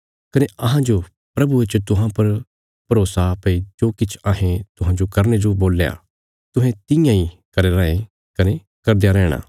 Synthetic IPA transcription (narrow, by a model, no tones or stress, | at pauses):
kɐneɐɦãd͡ʒo | pɾɐbuet͡ʃt̪ʊɦãpɐɾ | pɐɾoːsapɐid͡ʒoːkɪt͡ʃʰaːɦẽt̪ʊɦãːd͡ʒokɐɾned͡ʒoboːlja̰ | t̪ʊɦɛ̃t̪ɪjãikɐɾeɾɐːẽ | kɐne | kɐɾd̪ejaɾɛːɽ̃a̰ː